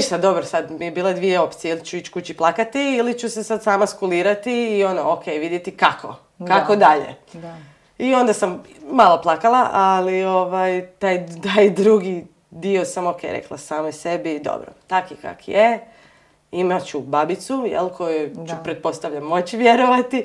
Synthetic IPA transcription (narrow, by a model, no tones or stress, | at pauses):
ʃt̪ad̪d̪o̞bɾosad̪mijebiːlˠad̪ʋijeo̞pt̪sijeilt͡ɕuit͡ɕkut͡ɕiplˠakat̪iilit͡ɕuse̞sad̪saːmaskuliːɾat̪iːo̞nookʰejʋid̪jet̪ikakʰo̞̰ | kako̞d̪aʎḛ | io̞nd̪asam | malˠo̞plˠakalˠaʔalio̞ʋajt̪aːjt̪ajd̪ɾuɡi | d̪io̞samokʰḛjɾḛklˠa̰saːmjse̞bid̪o̰bɾo̰t̪akika̰kje | imat͡ɕubabit̪sujḛlkʰo̞jut͡ɕupɾe̞t̪̚po̞st̪aʋʎamːo̞t͡ɕiʋjeɾo̞ʋat̪i